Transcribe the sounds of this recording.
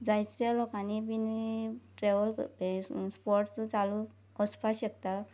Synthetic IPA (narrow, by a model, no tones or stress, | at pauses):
d͡zajt͡selɔkanibiniʈɾeʋɔl | spɔɾʈsut͡salu | ɔspʰasek̚t̪a